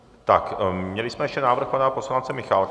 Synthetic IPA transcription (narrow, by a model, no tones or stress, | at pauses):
t̪akmɲɛlɪsmɛjɛʃcɛnaːvr̩xpanaposlant͡sɛmɪxalk